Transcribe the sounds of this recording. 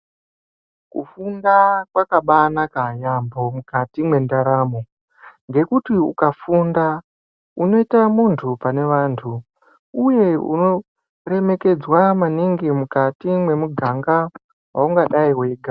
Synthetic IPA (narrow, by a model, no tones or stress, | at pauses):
kṵfundakwakaɓanakajambo̞mukatimwe̞ndaɾamo | ŋɡe̞kutiukafunda | uno̞itamuntʰupane̞ʋaːntʰu | uje̞ṵno̞ | re̞me̞ke̞d͡zwamaniŋɡimukatimwe̞muɡʱaŋɡa | wauŋɡaɗaiwe̞ːɡʱa